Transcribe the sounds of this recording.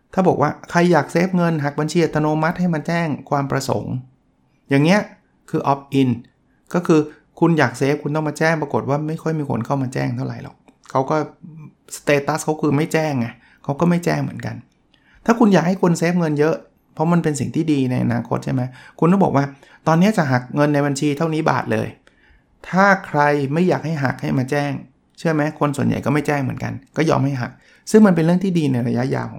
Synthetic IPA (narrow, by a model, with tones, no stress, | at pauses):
t̪ʰaː˥˩bɔː˨˩k̚waː˥˩kʰa˧jːaː˨˩k̚seː˦˥p̚ŋɤ˧nɦaː˨˩k̚ba˧nt͡ɕʰi˧ʔa˧t̪ːa˧noː˧ma˦˥t̪̚ha˥˩jma˧nt͡ɕɛː˥˩ŋkʰwaː˧mpɾa˧so̰˩˦ŋ | jaː˨˩ŋːni˦˥ɐ | kʰɯː˧ʔɔ˦˥p̚ʔi˧n | kɔː˥˩kʰɯː˧ | kʰu˧njaː˨˩k̚seː˦˥p̚kʰu˧nt̪ɔ˥˩ŋmaː˧t͡ɕɛː˥˩ŋpɾa˧ko˨˩t̪̚waː˥˩ma˥˩jkʰɔ˥˩jmiː˧kʰo̰˧nkʰa˥˩wmaː˧t͡ɕɛ̰ː˥˩ŋt̪ʰa˥˩wɾa˨˩˦jlɔ̰˨˩k̚ | kʰa˦˥wkɔː˥˩st̪eː˧t̪a˦˥skʰa˦˥wkʰɯː˧ma˥˩jt͡ɕɛː˥˩ŋːa˧˩ | kʰa˦˥wkɔː˥˩ma˥˩jt͡ɕɛː˥˩ŋmɯ̰˨˩˦ənka̰˧n | t̪ʰaː˥˩kʰu˧njaː˨˩k̚ha˥˩jkʰo˧nseː˦˥p̚ŋɤ˧njɤ˦˥ʔ | pʰɾɔ˦˥ma˧npe˧ns̬ḭ˨˩ŋt̪ʰiː˥˩diː˧na˧jʔa̰˧naː˧kʰo˦˥t̪̚t͡ɕʰa˥˩ma˦˥jkʰu˧nkɔː˥˩bɔː˨˩k̚waː˥˩ | t̪ɔː˧nːi˦˥ɐt͡ɕa˨˩ʔɦa˨˩k̚ŋɤ˧nːa˧jba˧nt͡ɕʰiː˧t̪ʰa˥˩wniː˦˥ba̰ː˨˩t̪̚lɤ̰ː˧j | t̪ʰaː˥˩kʰɾa˧jma˥˩jːaː˨˩k̚ha˥˩jɦa̰˨˩k̚ha˥˩jmaː˧t͡ɕɛː˥˩ŋ | t͡ɕʰɯ˥˩əmɛ˦˥kʰo˧nsu˨˩ənja̰˨˩jkɔː˥˩ma˥˩jt͡ɕɛː˥˩ŋmɯ̰˨˩˦ənka̰˧nkɔː˥˩jɔ̰ː˧mha˥˩jɦa̰˨˩k̚ | sɯ˥˩ŋma˧npe˧nɾɯ˥˩ŋt̪ʰiː˥˩diː˧na˧jɾa˧ja˦˥ʔja̰ː˧wkʰɔː˦